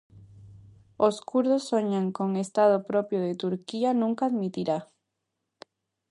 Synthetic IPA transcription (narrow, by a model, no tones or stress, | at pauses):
oskuɾðosːoɲaŋkoŋest̪að̞opɾopjoðet̪uɾkianũŋkaːðmit̪iɾa